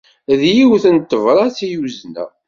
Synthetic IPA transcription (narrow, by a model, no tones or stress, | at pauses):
ðjiwθənt̪ːəvɾˤɑt͡sijuznæ̰